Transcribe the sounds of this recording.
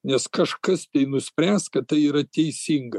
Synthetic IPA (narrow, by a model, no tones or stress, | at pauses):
nʲɛskɐʃkɐst̪ʲɛɪnʊsʲpʲɾʲænskɐt̪̚t̪ɐɪiːɾɐt̪ʲɛɪsʲiŋɡɐ